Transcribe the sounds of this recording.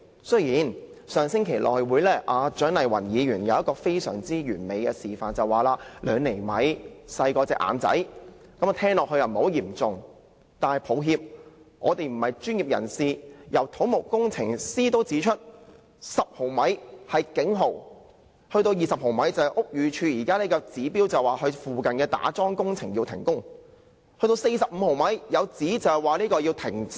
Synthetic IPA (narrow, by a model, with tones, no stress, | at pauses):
sɵ˥ɥjiː˨˩nsœː˨˩ŋsɪ˥ŋkʰe˨˩jlʔɔː˨jwuː˨˧jlɛː˥˩ʔaː˨˧t͡ʃœː˨˥ŋnɐ˨˩jwɐ̰˨˩njiː˨˧ɥyː˨˩njɐ˨˧wjɐ˥t̚kɔː˧fe˥jsœ̰ː˨˩ŋt͡siː˥jyː˨˩nme˨˧jkɛː˧siː˨˩faː˨nt͡sɐ˨˧waː˨˩laː˧lœː˨˧ŋne˨˩jmɐ˨˥jsɐ˧jkɔː˧t͡sɛː˧kʔa̰ː˨˧nt͡sɐ̰˨˥j | kɐ˨˥mɔ˨˧t̪ʰɛː˥ŋlɔː˨k̚hɵ˧jɐ˨˩m̩˨ho˨˥wjiː˨˩mt͡sʊ˨ŋ | t̪aː˨nhɐ˨jpʰo˨˧wɦiː˧p̚ŋɔː˨˧t̪e˨jm̩˨˩hɐ˨jt͡ʃyː˥nji˨p̚jɐ̰˨˩nsiː˨jɐ˨˩wt̪ʰo˨˥wmʊ˨˩kkːʊ˥ŋt͡sʰɪ˨˩ŋsiː˥t̪o˥wt͡siː˨˥t͡ʃʰɵ˥t̚ | sɐ˨p̚ho˨˩wmɐ˨˥jhɐ˨jkɪ˨˥ŋɦo˨˩w | hɵ˧ɥt̪o˧wjiː˨˩sɐ˨p̚ho˨˩wmɐ˨˥jt͡sɐ˨˩wɛ˨ʔʊ˥k̚jyː˨˧t͡ʃʰyː˨˧jiː˨˩kaː˥liː˥kɔː˧t͡siː˨˥piː˥wt͡sɐ˨wwaː˨ɦɵ˧ɥfuː˨kɐ˨nkɛː˧t̪a̰ː˨˥t͡sɔː˥ŋkʊ˥ŋt͡sʰɪ˨˩ŋjiː˧wt̪ʰɪ˨˩ŋkʊ˥ŋ | hɵ˧t̪o˧wse˧jsɐ˨p̚m̩˨˧ho˨˩wmɐ˨˥jjɐ˨˧wt͡siː˨˥t͡sɐ˨hwaː˨˩liː˥kɔː˧ji˧wt̪ʰɪ˨˩ŋ